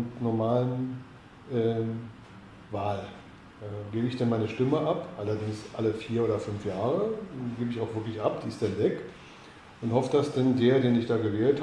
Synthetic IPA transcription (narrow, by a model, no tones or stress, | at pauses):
ntnɔɐmaːlən | ʔɛː | vaːl | ɛɡeːbəɪçd̥ɛnmaɪnəʃtɪməʔapʔalɐdɪŋsʔaləfiːɐʔoːdɐfʏnfjaːʁ̞əɡeːbəɪçaʊxvɪɐklɪçʔap̚d̥iːɪstd̥anvɛk | ʔʊnthɔfəd̥asd̥ɛndeːɐdeːnɪçd̥aːɡəvɛːlt